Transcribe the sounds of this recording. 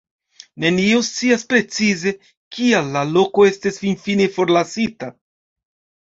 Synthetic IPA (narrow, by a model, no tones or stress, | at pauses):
ne̞niost͡siaspɾe̞t͡size̞ | kialːalo̞ko̞e̞stisfinfine̞fo̞ɾlasita